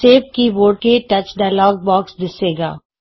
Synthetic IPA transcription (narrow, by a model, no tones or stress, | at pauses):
eːp̚kiʋoːɽkeʈɐt͡ʃɖaːɪlɔːɡ̚bɔːksd̪ɪseːɡa̰ː